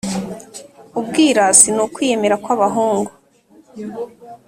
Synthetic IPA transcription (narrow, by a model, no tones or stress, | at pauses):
ub̚ɡiːɾasinukwijeme̞ɾakwaβaɦuːŋɡu